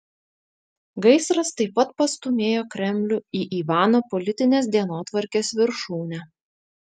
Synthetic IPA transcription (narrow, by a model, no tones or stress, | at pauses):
ɡɐɪsɾɐst̪ɐɪpːɐt̪̚pɐst̪ʊmʲeːjoːkɾʲɛmʲlʲʊiːʔiːʋɑːnoːpɔlʲɪt̪ʲɪnʲeːs̬d̪ʲiɛnoːt̪ʋɐɾʲkʲeːsʋʲɪɾʃuːnʲɛ